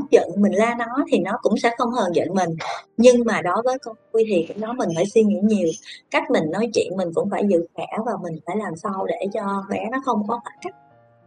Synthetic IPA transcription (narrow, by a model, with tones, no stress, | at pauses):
zə̰˧˨nmï˨˩ŋ̟laː˧nɔ˨˦t̪ʰi˨˩nɔ˨˦kʊ̰˧˥ŋ͡msɛ̰˧˥xə˧wŋ͡mhəː˨˩nzə̰˧˨nmï˨˩ŋ̟ɲɨ˧ŋmaː˨˩ɗɔ˨˦vəː˨˦jkɔ˧nku˧jt̪ʰi˨˩ka˨˦ɗɔ˨˦mï˨˩ŋ̟faː˧˩jswi˧ŋḭ˧˥ɲi˨˩əwka˦˥jk̟̚mï˨˩ŋ̟nɔ˨˦jt͡ɕwḭ˧˨ənmi˨˩ŋ̟kʊ̰˧˥ŋ͡mfaː˧˩jzɨ̰˧˨kaː˧˩˥vaː˨˩mï˨˩ŋ̟faː˧˩jlaː˨˩msa˧wɗe˧˩t͡ɕɔ˧ɓɛ˨˦nɔ˨˦xə˧wŋ͡mkɔ˨˦maː˨˦˥ka˦˥k̚